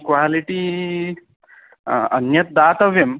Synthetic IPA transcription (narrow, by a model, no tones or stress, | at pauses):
kʋaliʈi | ənjɐt̪̚d̪aːt̪əʋjɐm